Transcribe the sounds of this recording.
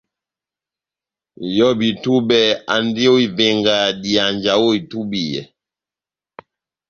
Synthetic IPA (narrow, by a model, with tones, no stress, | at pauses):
jɔ˦bi˨tu˦bɛ˨a̰˨ndi˦o˦i˨ve˨ŋɡa˨di˨a˨nd͡ʒa˨wo˦i˨tu˦bi˨jɛ̰˨